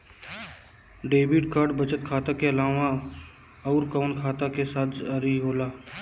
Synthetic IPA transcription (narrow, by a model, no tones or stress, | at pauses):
ɖeːbɪʈkaːɾɖbət͡ʃət̪̚kʰaːt̪akeɐlaːʋa | ɔːɾkaːnkʰaːt̪akesaːt̪ʰəɾiɦoːlaː